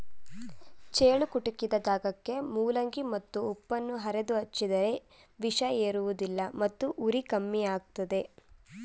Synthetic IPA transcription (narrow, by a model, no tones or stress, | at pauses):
t͡ʃeːɭukuʈukːid̪ɐd̪aːɡɐkːe̞muːlɐŋɡimɐt̪ːuːpːɐnːuɦɐɾed̪uɐt͡ʃːid̪ɐɾe̞ | ʋiʂɐeːɾuʋud̪ilːɐmɐt̪ːuʔuɾikɐmːiaːɡ̚t̪ɐd̪e̞